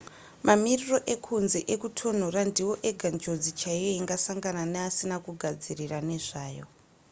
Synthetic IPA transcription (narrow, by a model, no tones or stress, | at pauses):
mʔamiriro̞ʔe̞kʰunze̞ʔekutʰo̞norandiwo̞ʔe̞ɡʱand͡ʒo̞d͡zit͡ʃaijoiŋɡasaŋɡananeasinakuɡʱad͡zirirane̞ʐaːjo̞̰